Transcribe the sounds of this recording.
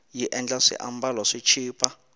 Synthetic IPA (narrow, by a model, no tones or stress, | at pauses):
jiʔɛnd͡ɮasḭʔa̰mbalɔʂit͡ʃʰiːpʰʼa